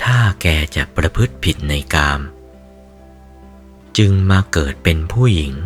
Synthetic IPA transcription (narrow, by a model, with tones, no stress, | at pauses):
t̪ʰaː˥˩kɛː˧t͡ɕa˨˩ʔpɾa˧pʰɯ˦˥t̪̚pʰi˨˩t̪̚na˧jkaː˧m | t͡ɕɯ˧ŋmaː˧kɤː˨˩t̪̚pe˧npʰuː˥˩ji˩˦ŋ